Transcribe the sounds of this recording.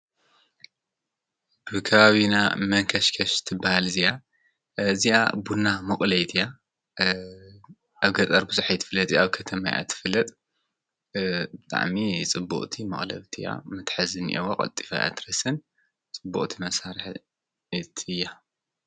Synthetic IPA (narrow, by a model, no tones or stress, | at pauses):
bɨkʰɐβaβina̰mɐŋkʰɐʃkʰɐʃt̪ʰɨbːahalɨzia | ɨziʔa̰bunːamɨχʼlɐjt̪ʰija | ʔaβɡɐt͡s̪ʼɐɾbɨzuħajt̪ʰɨ̥fɨlːɐt̪ʼjaβkʰɐt̪ʰɐmaja̰t̪ʰɨ̥fɨlːɐt̪ʼ | bɨt̪ʼa̰ʕmit͡sʼɨbːṵʔʼt̪ʰimɐχʼlɐ̰βt̪ʰija̰mɨt̪ħɨzɨnʔiwoqʼɐ̰lt̪ʼi̥fa̰ja̰t̪ʰɾɐsɨn | t͡sʼɨbːṵʔʼt̪ʰimɐsaɾɨħ | t̪ʰɨjːa